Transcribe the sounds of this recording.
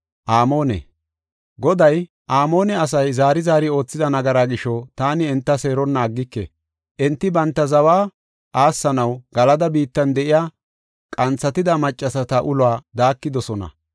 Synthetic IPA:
ʔaːmo̞ːnɛ̰ | ɡɔd̪ɐj | ʔaːmo̞ːnɛɐs̬ɐjzaːɾɪzaːɾɪo̞ːt͡sːɪd̪ɐnɐɡɐɾaːɡɪʃɔt̪aːnɪɛnt̪ːɐse̞ːɾɔnːɐːɡːɪkːɛ̰ | ʔɛnt̪ːɪbɐnt̪ːɐzɐwaː | ʔaːsːɐnɐwɡɐlɐd̪ɐbiːt̪ːɐnd̪ɛʔɪjaː | kʼɐnt͡sːɐt̪ɪd̪ɐmɐt͡ʃʼːɐsɐt̪ɐʔʊlwaːd̪aːkːɪd̪ɔsɔnɐ̰

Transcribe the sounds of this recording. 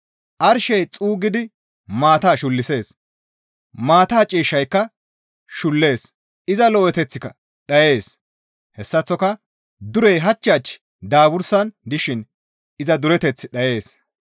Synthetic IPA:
ʔɐɾʃɛjt͡sʼuːɡɪd̪ɪ | maːt̪aːʃʊlːɪse̞ːs | maːt̪aːt͡ʃʼiːʃːɐjkːɐ | ʃʊlːe̞ːs | ɪzɐlɔʔɛt̪ɛt͡sːɪkɐ | ɗɐje̞ːs | hɛsːɐt͡sːɔkɐ | d̪ʊɾɛjɦɐt͡ʃːɐːt͡ʃː | d̪aːbʊɾsɐnd̪ɪʃɪn | ɪzɐd̪ʊɾɛt̪ɛt͡sːɪɗɐje̞ːs

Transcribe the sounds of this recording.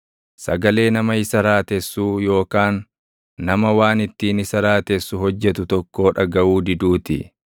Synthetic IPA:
sɐɡɐle̞ːnɐmɐɪsɐɾaːt̪ɛsːuːjo̞ːkaːnː | ɐmɐwaːnɪt̪ːiːnɪsɐɾaːt̪ɛsːʊɦɔd͡ʒːɛt̪ʊt̪ɔkːo̞ːᶑɐɡɐʔuːd̪ɪd̪uːt̪ɪ̰

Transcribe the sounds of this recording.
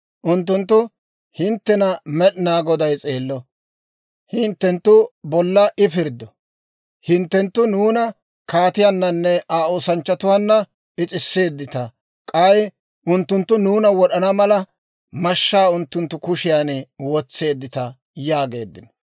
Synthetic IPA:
ʔʊnt̪ːʊnt̪ːʊ | hɪnt̪ːɛnɐmɛɗnaːɡɔd̪ɐjt͡sʼeːlːɔ | hɪnt̪ːɛnt̪ːʊbɔlːɐʔɪpɪɾd̪ɔ | hɪnt̪ːɛnt̪ːʊnuːnɐ | kaːt̪ɪjanːɐnːɛaːoːsɐnt͡ʃːɐt̪ʊwanːɐ | ɪt͡sʼɪsːe̞ːd̪ːɪt̪ɐ | kʼɐj | ʔʊnt̪ːʊnt̪ːʊnuːnɐwɔɗɐnɐmɐlɐ | mɐʃːaːʊnt̪ːʊnt̪ːʊkʊʃɪjaːnwɔt͡sːe̞ːd̪ːɪt̪ɐ | jaːɡe̞̰ːd̪ːɪnɔ̥

